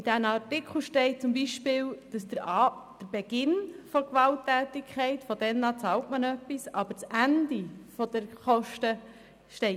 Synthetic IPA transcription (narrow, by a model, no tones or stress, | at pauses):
ɪd̥ænɑrtɪkχl̩ʃtɛɪt͡sʊmbiʃpɪːld̥ɑsd̥̪əɾɑd̥əɾb̥ɛɡ̥ɪnfɔkʋɑltːæːtɪkʰχɛɪtfɔdɛnːɑt͡sɑːltmənœpːisɑbəɾt͡sændifɔd̪̥əɾχɔʃtə | ʃtɛɪ